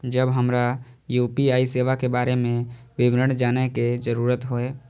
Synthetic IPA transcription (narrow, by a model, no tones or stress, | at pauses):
d͡ʒəbɦəmɾajuːpiaːiseːʋakebaːɾemẽʋɪʋɾəɳd͡ʒaːneked͡ʒəɾuːɾət̪ɦoːeː